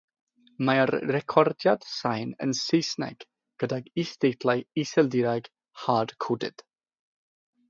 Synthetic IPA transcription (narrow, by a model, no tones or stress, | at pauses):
maarːɛkʰɔrdjad̥sajnə̰nsejsnɛ̰ɡ̥ | ɡ̥ədaɡisd̥ejtʰlˠajisɛlˠdɪɾaɡ̥ | had̥kʰʊdɨ̰d̥